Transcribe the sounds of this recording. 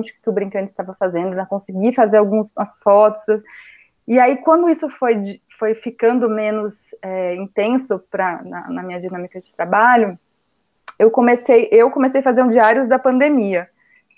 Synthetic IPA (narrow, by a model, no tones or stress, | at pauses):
t͡ʃɪ̥kɪ̥kɪʊbɾĩŋkɐ̃nd̪ʊɪst̪avɐfazẽnd̪ʊnɐ̃kõsɪɡifazeɾawɡũzɐsfɔt̪ʊ̥s | iaikwɐ̃nd̪ʊisʊfojd͡ʒfojfikɐ̃nd̪ʊmẽnʊsɛĩnt̪ẽsʊpɾɐnɐ̰nɐmĩɲɐd͡ʒinɐ̃mikɐd͡ʒɪt̪ɾabaʎʊ | ewkõmesejʔewkõmesejɐfazeɾũd͡ʒiaɾjʊzd̪ɐpɐ̃nd̪emiɐ